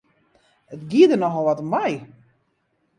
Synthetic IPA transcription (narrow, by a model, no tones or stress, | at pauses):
ətɡiədənɔxɔlˠʋɔtɔmaj